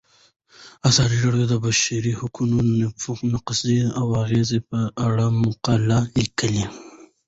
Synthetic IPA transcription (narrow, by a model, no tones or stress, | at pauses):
asɑd̪iɾaɽjod̪əbaʃaɾihʊkunonafuxnaqsiawaɣezepəaɽamʊqalalikəli